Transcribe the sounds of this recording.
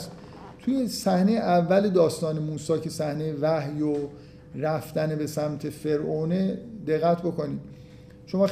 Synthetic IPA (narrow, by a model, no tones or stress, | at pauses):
s | t̪ʰuje̞sæhnejeʔævːæled̪ɒːst̪ɒːne̞muːsɒːcʰe̞sæhne̞jevæhjo | ræft̪ænebe̞sæmt̪ʰe̞fe̞ɾʔoːne̞d̪e̞ɣːæt̪ʰbo̞kʰo̞niːd̪̥ | ʃo̞mɒː